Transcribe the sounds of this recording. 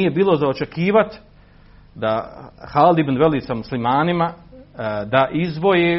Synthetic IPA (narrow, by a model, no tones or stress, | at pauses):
ije̞biːlo̞zaot͡ʃe̞kiːʋat̪ | d̪ahaːld̪ibnʋeliːsamuslimaːnima | d̪aʔizʋo̞je